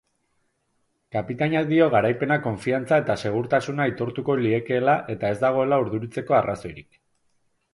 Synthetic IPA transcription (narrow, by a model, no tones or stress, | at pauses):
kapit̪aɲaðio̞ɣ̞aɾajpe̞nako̞ɱfiant͡sae̞t̪ase̞ɣ̞uɾt̪asunait̪o̞ɾt̪uko̞lie̞ke̞ːlaʔe̞t̪ae̞zd̪aɣ̞o̞e̞lauɾðuɾit͡se̞ko̞araso̞jɾik